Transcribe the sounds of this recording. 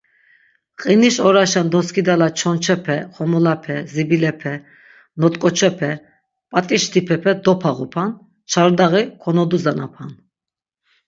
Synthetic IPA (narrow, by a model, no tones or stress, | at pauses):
qʼiniʃɔɾaʃand̪ɔskʰid̪alat͡ʃʰɔnt͡ʃʰɛpʰɛχɔmɔlapʰɛzibilɛpʰɛ | nɔt̪ʼkʼɔt͡ʃʰɛpʰɛ | pʼat̪ʼiʃt̪ʰipʰɛpʰɛd̪ɔpʰaʁupʰan | t͡ʃʰaɾd̪aʁikʰɔnɔd̪uzanapʰan